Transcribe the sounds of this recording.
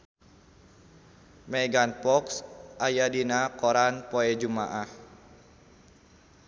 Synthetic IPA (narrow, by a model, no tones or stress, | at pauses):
mɛɡanpɔksʔajadinakɔɾanpɔɛd͡ʒumaʔah